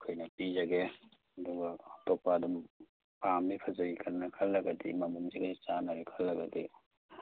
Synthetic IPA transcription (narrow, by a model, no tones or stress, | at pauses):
kʰojnɐpizɐɡe | ɐduɡaɐtɔpaːdum | pamipʰɐzɐɾikʰɐnːɐkʰɐlːɐɡɐdḭmɐmumziɡait͡ʃanɐɾikʰɐlːɐɡɐdḭ